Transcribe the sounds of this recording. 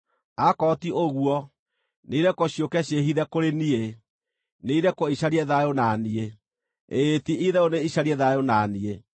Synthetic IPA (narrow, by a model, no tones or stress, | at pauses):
akɔtioɣwɔ | neiɾɛkɔɕjokɛɕeɦiðɛkoɾenie | neiɾɛkɔiɕaɾiɛðajonanie | etiʔiðɛoneiɕaɾiɛðajonanie